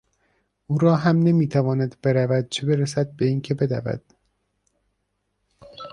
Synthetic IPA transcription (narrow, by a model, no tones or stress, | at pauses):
ʔuːɾɒːɦæmne̞miːt̪ʰævɒːnæd̪be̞ɾævæd̪̚t͡ʃʰebe̞ɾesæd̪̚be̞iːncʰe̞be̞d̪æ̰væ̰d̪̥